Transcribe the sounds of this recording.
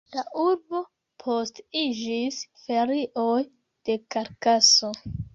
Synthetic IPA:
laʔuɾbo̞ | pʰostid͡ʒisfe̞ɾiʔo̞j | d̥ekaɾkaso̞

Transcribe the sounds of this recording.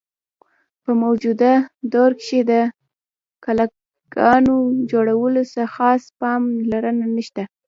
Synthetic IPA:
pəmawd͡ʒud̪ad̪oɾkʃed̪ə | kala | ɡɑnod͡ʒoɽawəlosaxɑspɑmlaɾənanəʃt̪a

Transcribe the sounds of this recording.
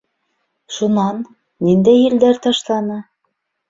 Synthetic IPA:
ʃunɑnː | ind̪æjɘ̆ld̪æɾt̪ɑʃlˠɑnɤ

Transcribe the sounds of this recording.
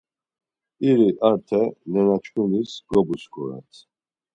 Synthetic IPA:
iɾiʔaɾt̪ʰɛnɛnat͡ʃʰkʼunisɡ̥ɾɔbuskʰʼɔɾa̰t̪ʰ

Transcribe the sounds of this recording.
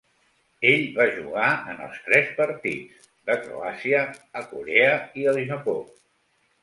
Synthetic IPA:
eʎβaʒṵɣ̞aənə̰lˠst̪ɾɛspəɾt̪ḭt͡s | d̪əkɾo̰asiəːkuɾeəiəlizəpo

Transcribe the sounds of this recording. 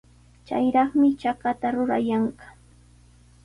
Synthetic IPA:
t͡ʃa̰jɾɑχmɪt͡ʃakat̪aɾʊɾa̰jɑɴɢɑ̥

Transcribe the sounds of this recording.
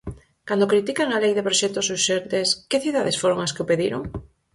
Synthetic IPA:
kand̪okɾit̪ikaŋalejðepɾoʃɛk̚t̪osuʃent̪eskeθiuðaðesfoɾoŋaskeopeðiɾo̰ŋ

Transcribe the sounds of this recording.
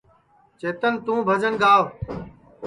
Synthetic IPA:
t͡ʃeːt̪ənt̪ũːbʱəd͡ʒənɡaːʋ

